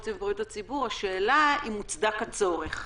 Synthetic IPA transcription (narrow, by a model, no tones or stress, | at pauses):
tevɡjutat͡sibuʁhaʃeːlaimut͡sd̪akat͡so̞ʁeχ